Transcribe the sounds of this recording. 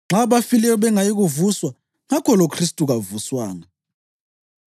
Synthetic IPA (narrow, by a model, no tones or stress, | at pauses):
ŋ͡ǁaβafilɛjɔβɛŋajiɣuvuswa | ŋakʰɔlokʰristʼuɣavuswaːŋa